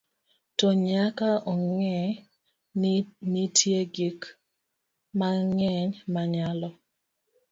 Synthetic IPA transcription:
tɔɲakaʔɔŋɛ | nitʰjeɡik | maŋɛɲmaɲalɔ

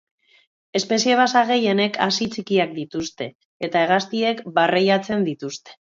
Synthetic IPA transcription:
e̞spe̞sie̞βasaɣe̞je̞ne̞kʰa̰sit͡sikiak̚d̪it̪ust̪e̞ː | t̪ae̞ɣ̞ast̪ie̞kbarejat͡se̞nd̪it̪ust̪e̞̥

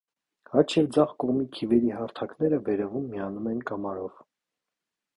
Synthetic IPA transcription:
hɑt͡ʃʰjɛvd͡zɑʁkɔʁmikʰivɛɾiɦɑɾt̪ʰɑknɛɾəvɛɾɛvumːiɑnumɛnkɑmɑɾɔv

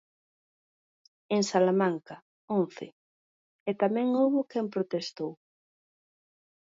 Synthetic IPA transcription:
eŋsalamaŋkɐ | õnθɪ̰ | et̪amɛ̃ŋowβʊkɛmpɾot̪est̪ow

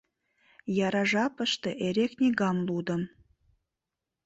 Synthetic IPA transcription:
jɑɾɑʒɑpə̆ʃt̪ɤ̆ʔeɾeknʲeɡɑmlˠud̪ə̆m

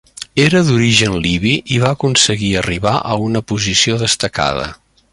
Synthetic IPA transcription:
eɾəðuɾiʒənliβiʔiβaəkunsəɣiəriβaʔəunəpuzisioðəst̪əka̰ð̞ə̰

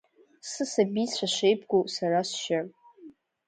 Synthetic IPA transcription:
sɨsabit͡sʷʰaʃʷejpʰɡʷowsaɾasʃar

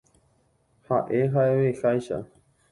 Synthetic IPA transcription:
haʔe̞ɦaeowexajʃa̰

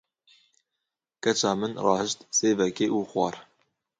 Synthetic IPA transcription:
kɛt͡ʃɑːmɨnrɑːhəʃt̪seːvɛkeːʔuːxwɑ̰ːɾ

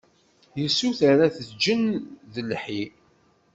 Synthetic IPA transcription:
jəsːuθaɾaθəd͡ʒənðəlħi

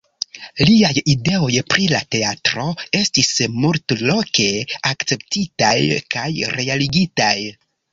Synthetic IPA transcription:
liajide̞o̞jpɾilate̞atɾo̞e̞stismultlo̞ke̞akt͡se̞p̚titajkʰajɾe̞aliɡitaj

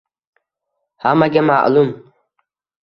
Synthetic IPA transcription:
hamaɡema̰ʔlum

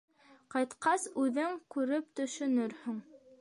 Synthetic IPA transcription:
qɑjt̪qɑsʉðɘŋkʉɾɘpt̪ɵ̆ʃɵ̆nɵɾhɵŋ

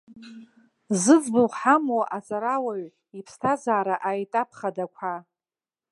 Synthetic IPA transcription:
zɨd͡zbɨlħamoaʔat͡sʼaɾawaɥ | ipʰstʰazaːɾaʔajtʼapʰχadakʷʰa

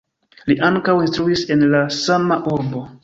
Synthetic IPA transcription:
liʔaŋkawinstɾuise̞nlasamaʔuɾbo̞

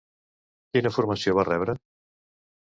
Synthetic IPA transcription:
kinəfuɾməsioβ̞arɛβɾə

